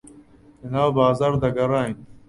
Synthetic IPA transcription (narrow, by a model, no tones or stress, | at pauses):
ɪnaːbaːzaːɾd̪aːɡəɾaːɦĩn